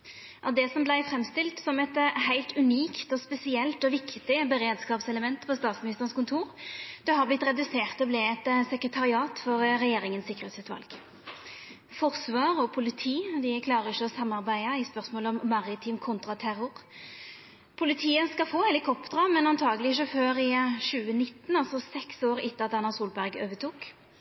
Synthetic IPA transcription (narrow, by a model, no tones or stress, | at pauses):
ʔɑd̪ɛsɔmblæɪfɾɛmst̪ɪlt̪sɔmɛt̪hæɪlt̪ʉniːkt̪ɔspɛsɪɛlt̪ɔʋɪkt̪ɪbɛɾeːd̪skɑːpsɛləmɛnt̪pʰɔst̪ɑːt̪smɪnɪst̪əʁənskʊnt̪ʰuːʁd̪̥ɛɦɑʁblɪt̪ɾɛd̪ʉseːʁt̪ɔblɪɛt̪sɛkɾət̪ʰɑʁɪɑːt̪fɔʁʁɛjeːɾɪŋənsɪkːəʁɛːt̪sɛt̪ʋɑ̰lɡ | fɔʁsʋɑːʁɔpʰʊlɪt̪ʰiːd̪ɪkʰlɑːɾəɪçːəɔsɑmːɑʁbæɪəɪspœʁsmoːləɔmmɑʁɪt̪ʰiːmkʰʊnt̪ʁɑt̪ʰæʁʊʁ | pʰʊlɪt̪ʰiːəskɑfoːhɛlɪkʰɔpd̪ʁɑmɛnɑnt̪ʰɑːɡəlɪɪʃ̬əføːɾɪʃʉːənɪt̪ːnɑlsɔsɛksoːʁɪt̪ːəɑt̪ɑnɑsuːlbæʁɡø̰ːʋət̪ʰuːk